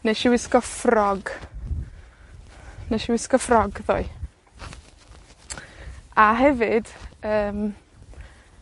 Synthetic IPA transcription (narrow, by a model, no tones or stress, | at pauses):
neʃiwɪskɔfrɔɡ | neʃiwɪskɔfrɔɡðɔɨ | aɦɛvɨd̥əːm